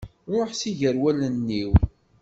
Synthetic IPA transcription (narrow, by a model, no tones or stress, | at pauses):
ʊħsiʝəɾwælənːiw